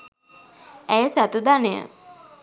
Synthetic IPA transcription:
æjəsæt̪ud̪anejə̰

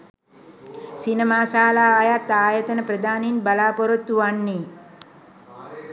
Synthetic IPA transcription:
sinemaːsaːlaːjat̪ːaːjət̪ənəprəd̪aːninbalaːpoɾot̪ːuʋanːi

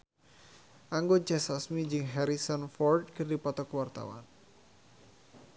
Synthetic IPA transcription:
ʔaŋɡɔt͡ʃɛsasmid͡ʒɨŋɦɛɾisɔnfɔrd̪̚kɨrdipɔt̪ɔkwart̪a̰wa̰n

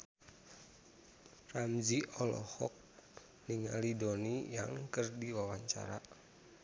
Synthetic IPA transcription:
ramziɔlɔ̰hɔk̚ | niŋa̰lidonijaŋkərdiwawaɲt͡ʃa̰ɾa

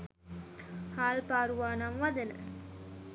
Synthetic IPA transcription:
haːlpaːɾuʋaːnamʋad̪ənə̰

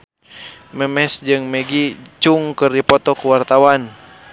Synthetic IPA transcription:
mɛmɛsd͡ʒɨŋmɛɡit͡ʃuŋkɨrdipɔt̪ɔkuwart̪awan

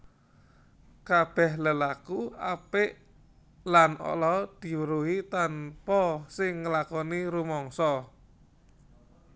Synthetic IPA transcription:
kab̥ɛhləlakuapɪʔ | lanɔ̰lɔd̪̥i̤wəɾuɦit̪anpɔsɪŋːəlakɔniɾumɔŋsɔ

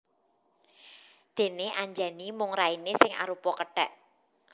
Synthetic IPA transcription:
d̪̥e̤neaɲd͡ʒanimʊŋrainesɪŋa̰ɾupɔkəɖ̥a̤ʔ

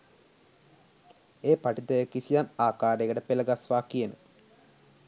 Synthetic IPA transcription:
eːpɐʈit̪ɐjekisijaːnaːkaːɾeɣɐɽepelɐɡasʋaːkːijenu

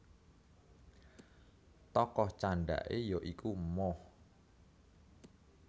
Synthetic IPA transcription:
t̪ɔkɔht͡ʃaɳɖa̰ʔejoʔikumɔh

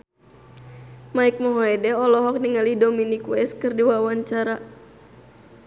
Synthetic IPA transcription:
maik̚mɔɦoɛdɛɔlɔɦɔk̚diŋalihdominikwɛskɨrdiwawaɲt͡ʃaɾa

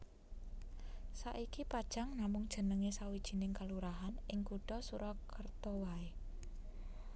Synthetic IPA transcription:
sa̰ʔikipad̥ʒ̥aŋnamʊŋd̥ʒ̥ə̤nəŋesawid̥ʒ̥i̤nɪŋkaluɾaɦanɪŋkuɖ̥ɔsuɾɔkərt̪ɔwae

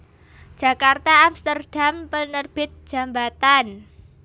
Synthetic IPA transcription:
d̥ʒ̥a̤kart̪aapst̪ərd̥a̤mpənərb̥ɪt̪̚ʒ̥a̤mbat̪an

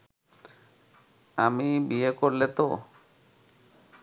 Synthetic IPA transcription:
amibiekoɾlet̪o

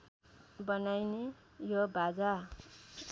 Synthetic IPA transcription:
bʌnajne | jobʱad͡za

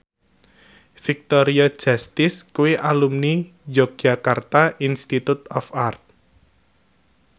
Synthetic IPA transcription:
fik̚t̪oɾiɔd̥ʒ̥ast̪ɪskuwiʔalumnid͡ʒɔɡ̚d͡ʒakart̪aʔinst̪it̪ut̪ɔfart̪̚

